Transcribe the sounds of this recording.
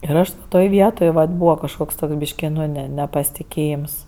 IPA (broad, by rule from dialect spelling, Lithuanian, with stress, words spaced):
ɪr ˈɐʃ ʋɐ ˈtoːj ˈʋʲiɛtoːj ʋɐt ˈbuːʋɐ kɐʃˈkoːks ˈtoːks ˈbʲiːʃʲkʲɪ ˈnʊ ˈnʲɛ ˈnʲɛ ˌnʲæːpɐsʲtʲɪˈkʲeːjɪms